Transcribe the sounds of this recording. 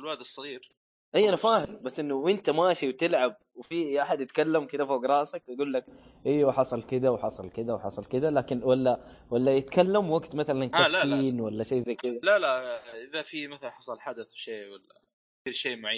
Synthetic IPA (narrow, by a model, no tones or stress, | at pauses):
ɪlwad̪ɑsˤːɑɣiːɾ | ʔajːʔanafaːhɪlbasːʔɪnːʊwʔɪnt̪amaːʃiwt̪ɪlʕab̚wɪfiʔaħad̪jɪt̪kalːamkɪd̪afoːɡɾˤɑːsakjaɡuːlːak̚ | ʔijːwaħɑsˤɑlkɪd̪awħɑsˤɑlkɪd̪awħɑsˤɑlkɪd̪alaːkɪnwalːawalːajɪt̪kalːamwaɡt̪maθalankalaiːnwalːaʃeːzajkɪd̪alalaʔɪðafimaθalnħɑsˤɑlħad̪aθʃeːwalːa̰ | θiːɾʃeːmʊʕiː